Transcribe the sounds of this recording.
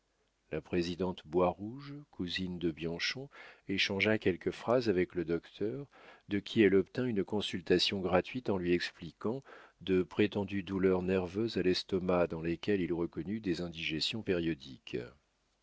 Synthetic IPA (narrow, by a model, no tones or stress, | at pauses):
lʔapχezid̪ɑ̃t̪bwaʁuʒkʰuzind̪əbjɑ̃ʃɔ̃eʃɑ̃ʒakʲɛlkəfχazavɛkləd̪ɔkt̪ʰœʁd̪əkʲʰiɛlɔpt̪ɛ̃ynkɔ̃sylt̪asjɔ̃ɡʁat̪ɥit̪ɑ̃lɥiɛksplikɑ̃d̪əpχet̪ɑ̃d̪yd̪ulœʁnɛʁvøzalɛst̪ɔmad̪ɑ̃lekʲɛlilʁəkɔnyd̪ezɛ̃d̪iʒɛsjɔ̃peʁjɔd̪ik